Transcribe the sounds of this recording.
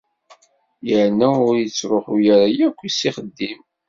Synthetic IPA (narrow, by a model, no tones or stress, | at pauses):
jəʕnæʊɾjət͡sːɾoħujəɾajækʷːisiχəd̪ːim